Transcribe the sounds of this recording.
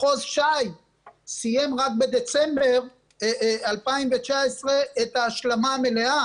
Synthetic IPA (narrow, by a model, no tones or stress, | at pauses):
χozʃaj | sije̞mʁak̚bed̪e̞t͡sembeʁ | alpaimvet͡ʃaesʁe̞ːt̪aːʃlamamelea